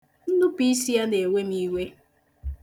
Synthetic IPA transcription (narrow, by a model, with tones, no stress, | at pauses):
n̩˦nʊ˦pi˦si˦ja˦ne˨wʷe˦ni˦we˦